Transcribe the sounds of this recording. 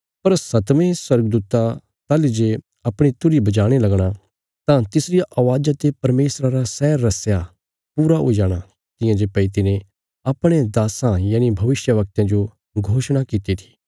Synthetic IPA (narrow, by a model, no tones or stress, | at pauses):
pɐɾsɐt̪mẽswɐɾɡəd̪uːt̪a | t̪aːlid͡ʒe | ɐpɽ̃it̪ʊɾibɐd͡ʒaːɽ̃elɐɡɽ̃a | t̪ãt̪ɪsɾɪjaʔɐʋaːd͡ʒat̪epɐɾmeːsɾaɾasɛːɾːɐsja | puːɾaɦo̰ːid͡ʒaːɽ̃a | t̪ɪ̃jãd͡ʒepɐit̪ɪnẽ | ɐpɽ̃ẽd̪aːsãjaːñibʱɐʋɪʃjəʋɐk̚t̪ãd͡ʒo | ɡʱoːʃɽ̃akit̪it̪ʰi̥ː